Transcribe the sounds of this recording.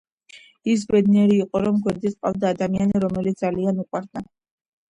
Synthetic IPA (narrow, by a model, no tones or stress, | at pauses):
is̬bɛd̪niɛɾiːqʼɔɾɔmɡwɛɾd̪isʼqʼa̰lvd̪aːd̪amianiɾɔmɛlit̪sd̪alianiqʼwaɾd̪a